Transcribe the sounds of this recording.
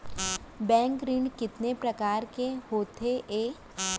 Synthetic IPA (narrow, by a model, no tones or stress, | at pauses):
bɛ̃ːŋkɾɪɳɖkɪt̪nepɾɐkaːɾkehoːt̪ʰeʔeː